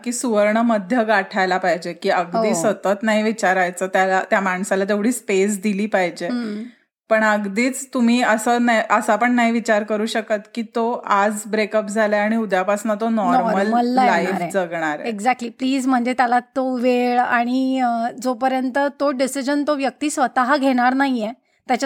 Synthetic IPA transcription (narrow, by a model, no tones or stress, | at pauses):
kiːsuʋəɾɳəməd̪ʱjəɡaʈʰajlapaɦid͡ʑekiːəɡd̪iːsət̪ət̪naɦiʋit͡ɕaɾajt͡səːt̪jalat̪jamaɳsalat̪̬eʋɽiːspes̬d̪iliːpaɦid͡ʑe | pəɳəɡd̪iːt͡st̪um̤iːəsənaiʔəsapəɳnaɦiʋit͡ɕaɾkəɾuːɕəkət̪kiːt̪oad͡zbɾekəp̚d͡zʱaljaaɽ̃iud̪ʱjapasnat̪onɔɾɔɾməlməlːajafɾd͡zəɡɳ̃aɾeɡd͡zæk̚ʈliːpliːd͡zm̤əɳd͡zet̪jalat̪oʋeɭaɽ̃id͡zopəɾjənt̪ət̪oɖisid͡ʑənt̪oʋjək̚t̪iːsʋət̪aɦaɡʱeɽ̃aɾnaɦije | t̪jat͡ɕa